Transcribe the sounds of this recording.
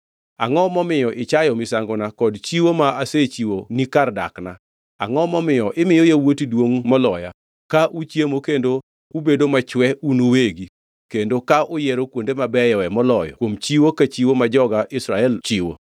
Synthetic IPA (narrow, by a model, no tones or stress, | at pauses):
a̰ŋɔmɔmɪjɔʔɪt͡ʃajɔmisaŋɡonakɔdt͡ʃiwomaaset͡ʃiwonikarda̰kna | a̰ŋɔmɔmɪjɔʔɪmɪjɔjewotidwoŋmɔlɔja̰ | kaʔut͡ʃjemokendo | ubedomat͡ʃwɛʔunoweɡi | kendokaʔʊjɛɾokwondemabɛjɔwɛmɔlɔjɔ̰kwomt͡ʃiwokat͡ʃiwomad͡ʒɔɡaʔɪsɾaɛlt͡ʃiwo̰